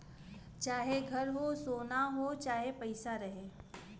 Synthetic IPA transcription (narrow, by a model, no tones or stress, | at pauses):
t͡ʃaːɦeɡʱɐɾɦosoːnaɦot͡ʃaːɦepɐɪsaɾɐɦeː